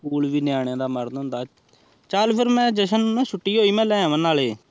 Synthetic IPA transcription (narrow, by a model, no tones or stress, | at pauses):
uːlʋiːnjaːɽ̃eːd̪aːməɾnɦʊ̃nd̪aː | t͡ʃaːlpʰɪɾmɛ̃ːd͡ʒəʃənnɛ̃ːʃʰʊʈːiːɦoːiːmɛ̃ːlɛ̃ːʋənaːleː